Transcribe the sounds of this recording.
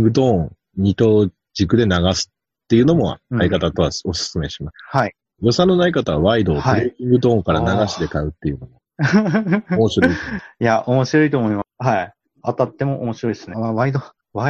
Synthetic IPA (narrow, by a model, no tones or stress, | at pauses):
ɡɯ̟d̪õ̞ːŋ | ɲ̟it̪o̞ː | ʑikɯ̟d̪e̞naɡasɨ̥t̪ː | e̞jɯ̟no̞moa̰aikat̪at̪o̞βḁo̞sɨ̥sɨme̞ɕimasɨ̥hai | jo̞sanːo̞naikat̪aβaβaid̪o̞ːɾimʲĩŋɡɯ̟d̪õ̞ːŋkaɾanaɡaɕid̪e̞kaɯ̟t̪ːe̞jɯ̟mono | omoɕiɾo̞ijaomo̞ɕiɾo̞it̪o̞ːmo̞imashai | at̪at̪ːe̞moʔo̰moɕiɾo̞sɨneaβaid̪o | βa